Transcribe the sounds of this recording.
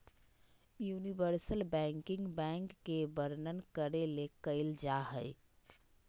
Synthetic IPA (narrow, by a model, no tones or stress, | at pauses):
junibəɾsəlbɛ̃ŋkiŋɡbɛŋkːebəɾnənkəɾelekəɪld͡ʒaɦəj